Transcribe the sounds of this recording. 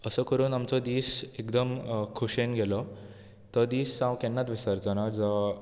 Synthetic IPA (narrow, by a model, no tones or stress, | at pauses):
əsəːkəɾuːnamt͡sɔd̪iːsekd̪əmkʰuɕenɡʱɛlɔ | t̪əd̪iːsːãwkɛnːat̪ʋisaɾt͡sanad͡za